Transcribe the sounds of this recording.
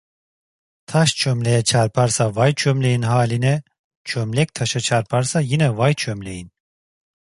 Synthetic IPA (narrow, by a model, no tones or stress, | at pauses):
t̪ʰaʃt͡ʃʰømlɛjɛt͡ʃʰaɾpʰaɾsavajt͡ʃʰømlɛjinɦaːlinɛ | t͡ʃʰømlɛk̚t̪ʰaʃat͡ʃʰaɾpʰaɾsajinɛvajt͡ʃʰømlɛjin